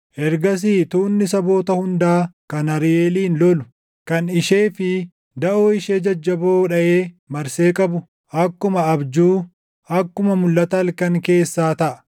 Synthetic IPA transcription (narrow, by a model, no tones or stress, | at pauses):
ʔɛɾɡɐs̬iːt̪uːnːɪsɐbo̞ːt̪ɐhʊnd̪aːkɐnɐɾɪeːliːnlɔlʊ̥ | kɐnɪʃeːfɪ | d̪ɐʔoːɪʃeːd͡ʒɐd͡ʒːɐboːᶑɐʔeː | mɐɾse̞ːkʼɐbʊ | ʔɐkːʊmɐɐbd͡ʒuː | ʔɐkːʊmɐmʊlːɐt̪ɐːlkɐŋke̞ːsːaːt̪ɐʔɐ̥